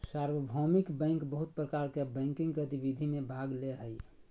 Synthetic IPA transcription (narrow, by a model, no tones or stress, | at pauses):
saɾwəbʱɔmikbɛ̃ŋkbəɦut̪̚pɾəkaɾkebɛ̃ɪŋkĩŋɡkət̪ibid̪ʱimẽbʱaɡleɦəj